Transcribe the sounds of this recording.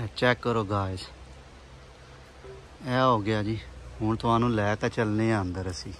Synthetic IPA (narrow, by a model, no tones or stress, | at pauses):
t͡ʃɛːkːəɾoːɡaːɪs | ɛːɦoːɡɪjaːd͡ʒiːɦʊɳt̪ʊãːnũːlɛːt̪ɛːt͡ʃəlneːãnd̪əɾəsiː